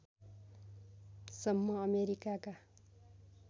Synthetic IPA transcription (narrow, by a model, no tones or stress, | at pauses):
sʌmːʌʌmeɾikaka